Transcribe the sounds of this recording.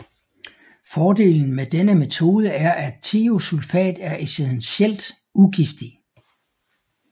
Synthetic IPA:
fɒːd̥e̝̰ːln̩med̥enəme̝t͡sʰo̝ːð̞ˠəæɐʔæt͡sʰiːo̝sulfɛ̰ːd̥æɐʔiseðˠnsel̰d̥ | uɡ̥ifd̥i

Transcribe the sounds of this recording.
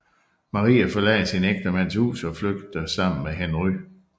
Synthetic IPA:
mɑ̈ʁḭːæfɒ̽lɛ̰ɪsineɡ̥̚d̥əmæn̰shṵːsɒ̽fløɡ̥̚d̥əsɑ̈m̰n̩meɦenʁy

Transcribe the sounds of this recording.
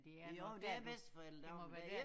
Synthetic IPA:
d̥eod̥eæb̥esd̥fɒel̰d̥

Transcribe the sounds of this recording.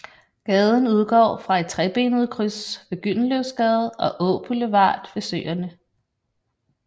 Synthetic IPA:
ɡ̥ɛːð̞ˠən̩uð̞ˠɡ̥ɒ̰ːfʁɑ̈e̝d̥̚t͡sʰʁɛb̥e̝ːnəð̞̩ˠkʰʁysʋe̝ɡ̥yn̰løʊsɡ̥ɛð̩ˠɒ̽ʔɔːb̥ələʋɑ̰̈ːd̥ʋe̝søːɐnə

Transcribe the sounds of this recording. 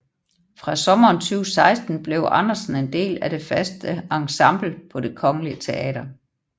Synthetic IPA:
fʁɑ̈sɒ̽mɐːnsʰyʊsɑ̈ɪsd̥n̩b̥le̝ʊʔɑnɐsn̩e̝nd̥e̝̰ːlæɾ̥e̝fæsd̥əɑ̈ŋsɑ̈mb̥l̩pʰɒ̽d̥e̝kʰɒ̽ŋəliət͡sʰe̝ʔɛ̰ːdɐ

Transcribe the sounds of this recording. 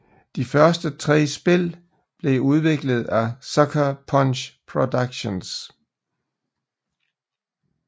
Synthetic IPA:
d̥ifɶɐsd̥ət͡sʰʁɛ̰ːsb̥e̝l̰ | b̥le̝uð̞ˠʋe̝ɡ̥ləð̞̩ˠæsɒkʰæpʰɒnɕpʰʁod̥ɑɡ̥ɕons

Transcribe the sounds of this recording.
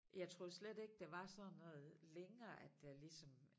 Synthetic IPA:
jɑ̈ɪt͡sʰʁo̝ːslede̝ɡ̥̚d̥e̝ʋɑ̈sɒ̽nɔ̽ːð̩ˠleŋɐːʔæd̥elisɒ̽m

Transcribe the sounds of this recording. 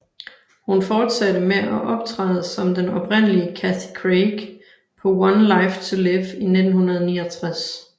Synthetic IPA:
hunfɒːd̥sæd̥əmeʔɒʔɒ̽b̥t͡sʰʁɑ̰ːðˠsɒ̽md̥enɒ̽b̥ʰʁen̰əliəkʰæθikʰʁeɡ̥ | pʰɒ̽wɒnlɑɪft͡sʰuleʋine̝d̥n̩hunɐð̞ˠniːɐt͡sʰʁas

